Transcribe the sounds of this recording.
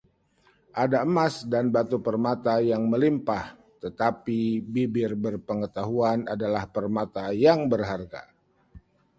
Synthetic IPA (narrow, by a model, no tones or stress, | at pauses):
ʔadaəmasdanbat̪upərmat̪ajaŋməlimpah | t̪ət̪apibibɪrbərpəŋət̪aɦuanadalahpərmat̪ajaŋbərɦarɡa̰